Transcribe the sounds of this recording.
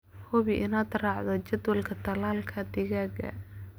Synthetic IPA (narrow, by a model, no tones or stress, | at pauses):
hʊβiʔɪnad̪rɑʕðɔt͡ʃɐd̪wɐlkʰɐt̪ʰɐlaːlkʰɐd̪ɪɣaɡɐ̰